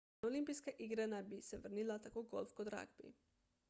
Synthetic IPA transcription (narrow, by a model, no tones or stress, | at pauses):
olimpijskaʔiɡɾanabisɛvr̩nilˠat̪akoɡolˠfkod̪ɾa̰ɡbḭ